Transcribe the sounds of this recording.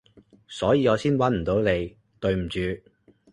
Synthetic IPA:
sɔː˨˥jiː˨˧ŋɔː˨˧siː˥nwɐ˨˥nm̩˨˩t̪o˨˥wne˨˧j | t̪ɵ˨ɥm̩˨˩t͡ʃyː˨˧

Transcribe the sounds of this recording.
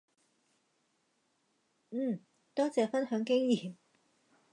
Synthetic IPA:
n̩ː˥˨˩ | t̪ɔː˥t͡sɛː˨˧fɐ˥nhœː˨˥ŋkɪ˥ŋjiː˨˩m

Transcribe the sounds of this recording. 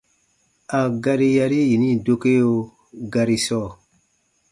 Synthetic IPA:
a˨ɡa˧ɾi˦ja˧ɾi˦ji˨nĩ˦do˧ke˦jo˧ | ɡa˧ɾi˧sɔ˦˨

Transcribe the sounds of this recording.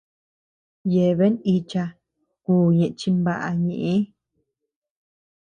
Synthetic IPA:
je˨βe˦ni˧t͡ʃa˧ | kuː˧˨ɲẽ˨ʔt͡ʃi˦mba˦ʔa˧ɲẽ˧˨ʔẽ˦

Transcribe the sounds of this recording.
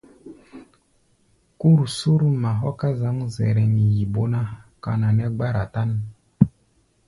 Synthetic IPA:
ku˦ɾu˨su˦ɾu˦ma˨ɦɔ˦ka˦za˨˦mu˦zɛ˨ɾɛ˨ni˨ji˨bo˦na˦ka̰˨na˨nɛ˦ɡ͡ba˦ɾa˨ta˦ni˦

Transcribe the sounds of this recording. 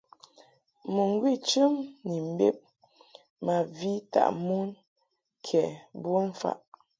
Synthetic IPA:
mu˨ŋ˦ɡwi˦˨t͡ʃʉ˦mni˨m̩˦bḛ˦p̚ | ma˨vi˦ta̰˦˨ʔmu˦n | kʰɛ˨bu˦n̩˦fa̰˦˨ʔ

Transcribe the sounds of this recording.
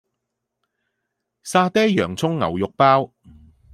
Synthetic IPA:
saː˧t̪ɛː˥jjœː˨˩ŋt͡sʰʊ˥ŋːɐ̰˨˩wjʊ˨k̚paː˥w

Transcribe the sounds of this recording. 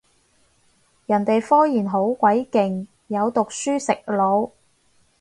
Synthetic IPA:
jɐ˨˩nt̪e˨jfɔː˥jiː˨˩nɦo˨˥wkʷɐ˨˥jkɪ˨ŋ | jɐ˨˧wt̪ʊ˨k̚syː˥sɪ˨k̚lo˨˧w

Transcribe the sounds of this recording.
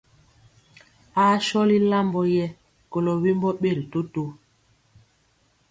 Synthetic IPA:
a˦ʃɔ˦li˦la˦mbɔ˦jɛ˦ | ko˨lo˨wi˦mbɔ˦ɓe˦˨ɾi˨to˦to˦

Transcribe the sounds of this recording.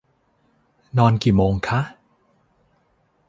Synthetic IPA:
nɔː˧nkiː˨˩moː˧ŋkʰa˦˥ʔ

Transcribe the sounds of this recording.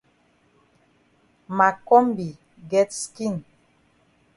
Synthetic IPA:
ma˨kɔ˦mbi˨ | ɡɛ˦tskĩ˦˨n

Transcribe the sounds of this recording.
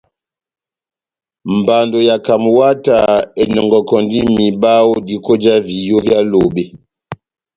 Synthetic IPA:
m̩˨ba˨ndo˨ja˨ka˨m˨wa˦ta˨e˨nɔ˨ŋɡɔ˨kɔ˨ndi˦mi˨ba˦wo˦di˨ko˦d͡ʒa˦vi˨jo˦ja˦lo˨be˨

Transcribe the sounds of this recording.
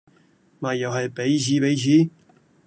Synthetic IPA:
maː˨˩jɐ˨wɦɐ˨jpe˨˥jsiː˨˥pe˨˥jsiː˨˥

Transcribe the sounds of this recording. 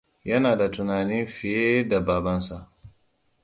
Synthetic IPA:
jɐ˦naː˨da˨tʊ˨naː˨nɪ˦mɸɪ˨jeː˦da˨baː˨bɐ˦nsa˨ʔ

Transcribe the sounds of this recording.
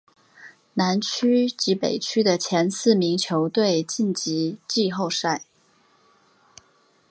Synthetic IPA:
na˧˥nt͡ɕʰy˥t͡ɕi˧˥pe˨˩ɪt͡ɕʰy˥d̪ə˨t͡ɕʰjɛ˧˥nsɹ̩˥˩mi˧˥ŋt͡ɕʰjo˧˥ʊt̪we˥˧ɪt͡ɕi˥˩nt͡ɕi˧˥t͡ɕi˥˧xo˥˧ʊʂa˥˩ɪ

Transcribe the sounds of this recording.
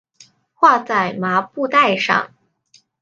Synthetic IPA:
xwa˥˧t͡sa˥˩ɪma˧˥pu˥˧t̪a˥˧ɪʂɑ̰˥˧˩ŋ

